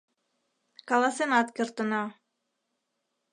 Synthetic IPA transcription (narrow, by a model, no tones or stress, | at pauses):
kɑlɑsenɑt̪kĕrt̪ɤ̆nɑ